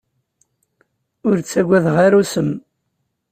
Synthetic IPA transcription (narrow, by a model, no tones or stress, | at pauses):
ʊɾt͡sːæɡʷːæðʁaɾusəm